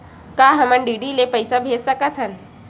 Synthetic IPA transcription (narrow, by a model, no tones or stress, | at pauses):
kaːɦəmənɖiːɖilepəjsabʱeːd͡ʒsəkət̪ʰɦən